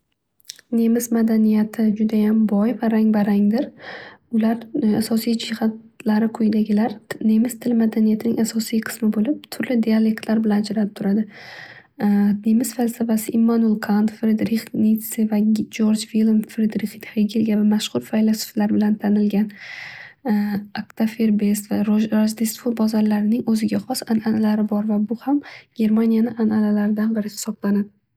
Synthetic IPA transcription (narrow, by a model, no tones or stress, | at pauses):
ne̞mɪsmad̪anijat̪ʰɪd͡ʒʊd̪ajambɒjvaɾaŋvaɾaŋd̪ɪɾʊlaɾasɒsijd͡ʒɪhat̪ | laɾɪkʰʊjd̪aɡʲɪlaɾne̞mɪz̥t̪ʰɪlmad̪anijat̪ʰɪnɪŋasɒsijqʰɨ̥smɪbolɪp̚t̪ʰʊɾlɪd̪ijale̞k̚t̪ʰlaɾbɪland͡ʒɾap̚t̪ʰʊɾad̪ɪ | nemɪz̥falsafasɪʔimːanolˠqʰant̪fɾed̪ɾiχnit̪sɪvad͡ʒoɾd͡ʒvilˠmfɾed̪ɾiχt̪heɡʲilɡʲavamaʃχʊɾfajlˠaso̥flaɾbɪlant̪ʰanɪlɡʲan | akt̪ʰafeɾbest̪vaɾɾaʒd̪ist̪fobɒzaɾlaɾɪnɪŋɵzɪɡʲaχɒsananalaɾɪbɒɾvabʊhamɡ̥ʲe̞ɾmanijanɪʔanalalaɾɪd̪anbɪɾɪsɪ̥sɒqlˠanad̪ɪ